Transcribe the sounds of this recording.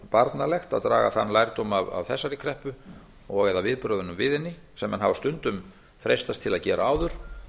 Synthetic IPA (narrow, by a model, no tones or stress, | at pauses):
paɾt̪nalɛxt̪aðt̪ɾaːɣa̰θa̰nːlajɾt̪owmava̰vθɛsːaɾɪkʰɾɛhpʏ | ɔɣɛðavɪðpɾœːðʏnʏmvɪðɪnːɪ | sɛmːɛanɦavast̪ʏnt̪ʏm | fɾejst̪ast̪ʰɪlaðcɛːɾaaːwðʏɾ̥